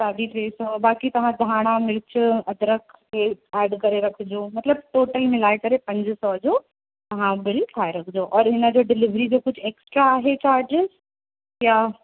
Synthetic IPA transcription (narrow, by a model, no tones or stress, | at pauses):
saːɖiʈɾeːsɔːbaːkit̪ɐʋ̤ãd̪ʱaːɽ̃amɪɽɪt͡ɕʊɐd̪ɾəkʰkeːɛːɖkɐɾeɾɐkʰɪd͡ʑoːmɐt̪ləb̚ʈoːʈəlmɪlaːekɐɾepɐ̃ɲd͡ʑsɔːd͡ʑoː | t̪ɐʋ̤ãbɐɽik̪ʰaːeɾɐkʰd͡ʑoʔɔːɾɦɪnə̆d͡ʑoːɖɪlɪʋɾid͡ʑoːkʊd͡ʑʱʰeːksʈɾaːɦet͡ɕaːɾd͡ʑɪz | ja